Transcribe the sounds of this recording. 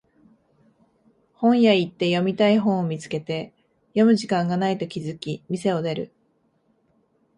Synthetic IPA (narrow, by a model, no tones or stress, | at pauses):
hõ̞ɰ̃jait̪ːe̞jo̞mʲit̪aiɦõ̞ɰ̃omʲit͡sɨ̥ke̞t̪e̞ | jo̞mɯ̟ʑikãŋɡanait̪o̞kʲizɨkʲimʲise̞o̞d̪e̞ɾɯ̟̰